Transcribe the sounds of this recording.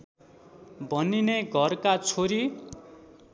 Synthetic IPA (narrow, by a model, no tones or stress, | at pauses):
bʱʌnineɡʱʌrkat͡sʰoɾi